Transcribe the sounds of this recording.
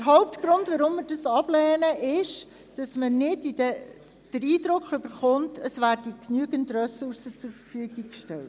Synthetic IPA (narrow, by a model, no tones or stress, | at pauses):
d̥əɾɦɔʊp̚tɡ̥ɾʊndvʋɑɾʊmːɪɾdɑsɑb̥lɛːnəʔɪʃ | d̥ɑsmənɪdid̥ɛ | d̥əɾiːdɾʊkʰχʏb̥əɾχʊntʰəsvæːɾd̥iknyəɡəndrɛsʊɾsət͡sʊɾfəɾfyːɡikʃtɛlt